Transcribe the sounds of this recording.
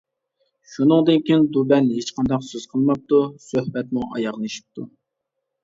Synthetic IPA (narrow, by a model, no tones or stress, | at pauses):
ʃunɨŋd̪ɨnkʲʰind̪ubɛnɦet͡ʃqʰɑnd̪ɑqsøz̥qʰəlˠmɑp̚t̪usøhbɛt̪muʔɑ̰jɑʁnˠɨʃi̥p̚t̪ʰu